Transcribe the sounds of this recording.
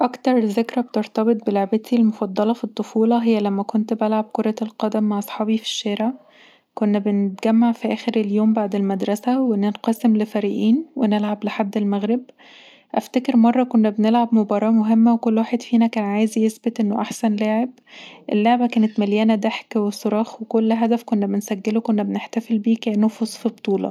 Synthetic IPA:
ʔɑkt̪ɑɾˤzekɾæb̚t̪eɾt̪ɑbet̪̚ˤbeloʕbet̪ʰilmofɑd̪ˤːɑlɑfit̪ˤːofuːlɑɦejːælæmːækont̪bælʕab̚koɾˤɑlqɑd̪æmːaʕʔɑsˤħɑːbifi̥ʃːeːɾeʕ | konːæbenet̪̚ɡæmːaʕfiʔæːxeɾeljoːmbaʕd̪elmæd̪ɾˤɑsæwenenqɑsemlefæɾiːʔiːnwenelʕableħad̪ːelmæɣɾeb | ʔæ̰ft̪ækeɾmɑrˤːɑkonːæbenelʕabmobɑɾˤɑːmoɦemːæwekolːwaːħed̪fiːnækæːnʕaːjzjesbet̪ʔenːoʔaħsænlæːʕeb̚ | ʔelːaʕbækæːnet̪mæljæːnæd̪æħkwesˤoɾˤɑːxwekolːɦæd̪æfkonːæbensæɡːelokonːæbeneħt̪æfelbiːknːofusˤfibt̪ˤuːlɑ̰

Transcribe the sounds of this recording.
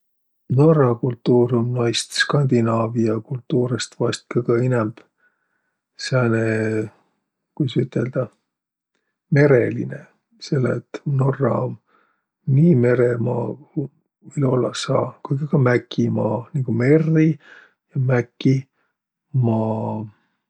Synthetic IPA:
no̞rɑkult̪ːuːɾonnɑjst̪skɑnʲd̪̥inɑːviɑkult̪ːuːɾest̪vɑst̪̚kɑkɑinɛmb̥ | sæne | kujsyt̪ːˑe̞ld̪̥ɑ | me̞ɾelḭne | se̞lːḛt̪ːno̞rːɑom | niːme̞ɾemɑː | ilolːɑsɑːkujɡɑkɑmækʰːimɑːniŋɡ̥ume̞rːi | jɑmækːi | mɑː

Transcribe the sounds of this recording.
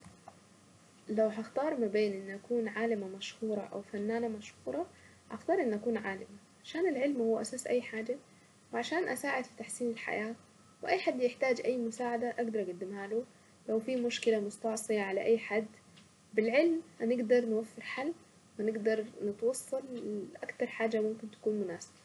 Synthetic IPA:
lawɦaxt̪ɑːɾˤmabeːnʔɪnːʔakuːnʕaːlɪmamaʃhuːɾˤɑ̰ʔa̰wfanːaːnamaʃhuːɾˤɑ | ʔa̰xt̪ɑːɾˤʔɪnːʔakuːnʕaːlɪma | ʕaʃaːnɪlʕɪlmhuːʔasaːsʔa̰jːħaːd͡ʒa | wɪʕaʃaːnʔasaːʕɪd̪fi̥t̪aħsiːnɪlħa̰jaː | wɪʔajːħad̪ːjɪħt̪aːd͡ʒʔajːmʊsaːʕad̪aʔaɡd̪ɑɾˤʔaɡad̪ːɪmhaːlu | lawfimʊʃkɪlamʊst̪ɑʕsˤɨjaʕalaʔajːħad̪ː | bɪlʕɪlmhanɪɡd̪ɑɾˤnwafːɪɾħalː | wɪnɪɡd̪ɑɾˤnɪt̪wɑsˤːɑlʔakt̪ɑɾˤħaːd͡ʒamʊmkɪnt̪ḁkuːnmʊnaːsɪba

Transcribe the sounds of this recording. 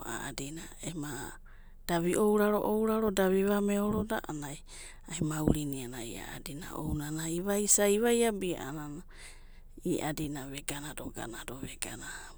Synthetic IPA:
a̰a̰dinaema | d̥aβiʔowɾaɾo̞ʔowɾaɾo̞daβiβameoɾoda̰ʔanaj | ajmauɾinianaia̰adina̰o̰wnanaiβajsajβajabia̰ʔanana | iʔadinaβeɡanadoɡa̰nadoβeɡana

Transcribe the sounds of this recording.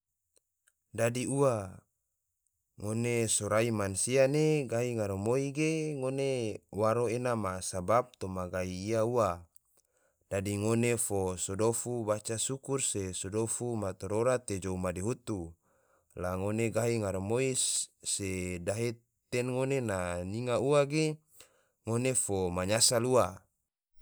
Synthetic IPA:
dadiua | ŋonesoɾaimansianeɡaɦiŋaɾomoiɡeŋonewaɾoenamasabap̚t̪omaɡaiːaua | d̥adiŋonefosodofubat͡ʃasukursesodofumat̪oɾoɾat̪ːed͡ʒoumadeɦut̪u | laŋoneɡaɦiŋaɾomoisedaɦe | t̪enŋonenaniŋauaɡe | ŋonefomaɲasalua

